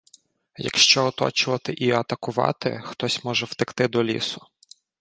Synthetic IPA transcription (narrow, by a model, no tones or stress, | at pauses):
jɐ̰kʃt͡ʃɔɔt̪ɔ̰t͡ʃʊʋɐt̪ɪʔiɐt̪ɐkʊʋɑ̰t̪ɪ̰xt̪ɔsʲmɔʒɛwt̪ɪkt̪ɪd̪ɔlʲḭsʊ